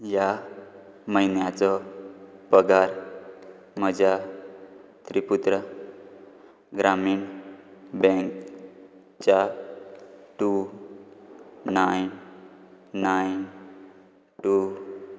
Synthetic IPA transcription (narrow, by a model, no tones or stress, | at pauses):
ja | məinjat͡sɔ | pəɡaɾ | məd͡ʑa | t̪ɾiput̪ɾə | ɡɾamiːɳ | bɛ̃ŋk | t͡ɕa | ʈu | ajnː | ajn | ʈu